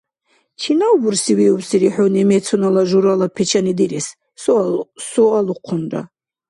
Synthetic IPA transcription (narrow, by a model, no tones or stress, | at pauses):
t͡ʃʰinawbuɾsiwiubsiɾiħunɛmɛt̪t͡sʰɔnalaʒuɾalapʰɛt͡ʃʰanid̪iɾɛs | sɔsɔaluqʰunɾa̰